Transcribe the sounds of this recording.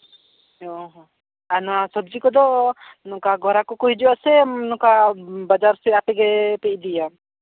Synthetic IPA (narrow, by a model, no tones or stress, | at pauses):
ɔɦ | anasɔb̚d͡ʒikɔd̪ɔnɔkaɡʱɔɾakɔkɔɦid͡ʒuasɛnɔkabad͡ʒaɾsiapɛɡɛpɛʔd̪ija